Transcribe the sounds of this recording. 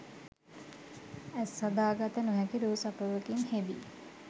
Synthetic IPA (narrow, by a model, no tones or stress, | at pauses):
æsːad̪aːɡat̪ənuɦɛkiɾuːsapəʋəkiŋheʋḭ